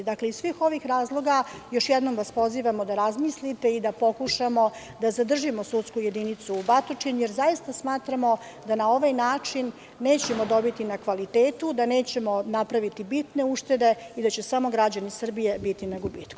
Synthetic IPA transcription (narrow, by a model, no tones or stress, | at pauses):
d̪akleissʋiːxo̞ʋixɾaːzlˠo̞ɡajo̞ʃjɛd̪no̞mʋaspo̞ziːʋamo̞d̪aɾazmislit̪e̞id̪apo̞kuʃamo̞ | d̪azad̪r̩ʒimo̞sut̪skuje̞d̪init̪suːbat̪ot͡ʃiɲje̞ɾzajist̪asmaːt̪ɾamo̞ | d̪anao̞ʋajnaːt͡ʂinː | e̞ːt͡ɕe̞mo̞d̪o̞bit̪inakʋalit̪eːt̪ud̪ane̞ːt͡ɕe̞mo̞napɾaʋit̪ibit̪ne̞uʂt̪e̞d̪e̞id̪at͡ɕe̞samo̞ɡɾad͡ʑanisr̩bije̞bit̪inaɡubiːt̪ku̥